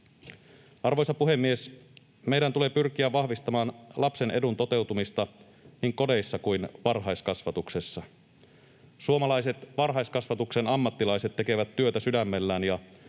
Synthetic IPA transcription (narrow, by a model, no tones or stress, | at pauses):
ɑrʋo̞jsɑpuɦe̞mːie̞s | me̞jdænt̪ule̞pyrk̟iæʋʋɑhʋist̪ɑmɑːnlʔɑpse̞ne̞dunt̪o̞t̪e̞wt̪umist̪ɑ | niːŋko̞de̞jsːɑkujnʋɑrɦɑjskɑsʋɑt̪ukse̞sːɑ | suomɑlɑjse̞t̪ʋɑrɦɑjskɑsʋɑt̪ukse̞nɑmːɑt̪ːilɑjse̞t̪ːe̞ke̞ʋæt̪ːyøt̪æsydæmːelːæːnjɑ